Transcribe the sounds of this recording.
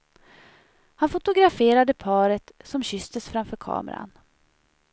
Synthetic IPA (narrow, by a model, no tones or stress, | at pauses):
hanfʊt̪ʊɡɾafeːɾad̪əpʰɑːɾət̪sɔmɕʏst̪əsfɾamfœːɾkʰɑ̰ːmə̰ɾa̰n